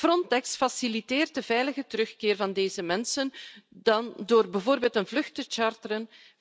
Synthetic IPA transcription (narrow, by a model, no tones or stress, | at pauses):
frɔntɛksfɑsiliteːrt̚dəvɛjləɣətəɾɵxkɪːrvɑndeːzəmɛnsənd̥ɑndoːrbɛvoːrbeːlˠtənvlɵxtət͡ʃartəɾən